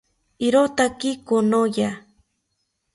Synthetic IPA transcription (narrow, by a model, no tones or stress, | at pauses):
iɾot̪akikonoja